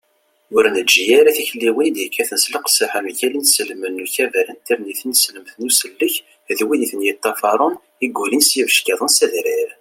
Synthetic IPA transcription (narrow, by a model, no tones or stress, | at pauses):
ʊɾnəd͡ʒijæɾæθiçlːiwənd̪jikʰːæθənsləqsəħəmçælinsəlmənːuçævælənt̪iɾniθnsləmθnusəlːəç | ðwiniθənjit̪ˤːɑfɑɾˤʊn | iɡʷulinsjivəʃkiðˤənsæðɾiɾ